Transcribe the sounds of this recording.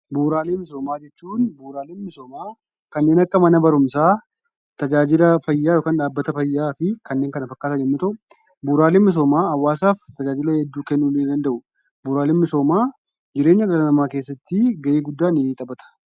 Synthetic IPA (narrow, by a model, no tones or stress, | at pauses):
buːɾaːleːmɪs̬o̞ːmaːd͡ʒɛt͡ʃːuːnbuːɾaːleːnmɪso̞ːmaː | kɐnːeːnɐkːɐmɐnɐbɐɾʊmsaː | t̪ɐd͡ʒaːd͡ʒɪlɐfɐjːaːjo̞ːkaːnᶑaːbːɐt̪ɐfɐjːaːfɪkɐnːeːŋkɐnɐfɐkːaːt̪ɐɲɛmmɪt̪ɐʔʊ | buːɾaːleːmɪs̬o̞ːmaːɐwːaːsaːft̪ɐd͡ʒaːd͡ʒɪlɐhɛd̪ːuːkɛnːuːleːd̪ɐnd̪ɐʔʊ | buːɾaːleːnmɪso̞ːmaː | d͡ʒɪɾe̞ːɲːɐɡɐlɐnɐmaːkeːsːɐt̪ːɪɡɐʔiːɡʊd̪ːaːnɪt̪ʼɐbɐt̪ɐ̥